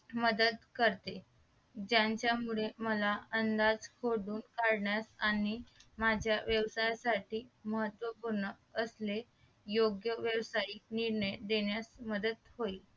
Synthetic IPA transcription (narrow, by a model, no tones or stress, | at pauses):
məd̪ət̪kəɾt̪e | d͡ʑjaɲt͡ɕjamuɭeməlaənd̪ad͡zkʰoɽuːnkaɽɳjasañimad͡ʑʱjaʋjəʋsajasaʈiːməɦət̪ːʋəpuɾɳə | əsle | joɡjəʋjəʋsainiɾɳəjd̪eɳjasməd̪ət̪hoi